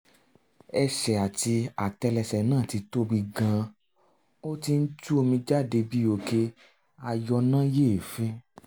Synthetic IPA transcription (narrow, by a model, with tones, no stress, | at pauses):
ɛ˧ʃɛ˨a˨ti˧a˨tɛ˧lɛ˧sɛ˨nãː˦˨ti˧to˦bi˧ɡã˧ | o˦ti˧n̩˦tu˦o˧mĩ˧d͡ʒa˦˨de˧bi˦o˨ke˧ | a˧jɔ˧nã˦je˦˨fĩ˦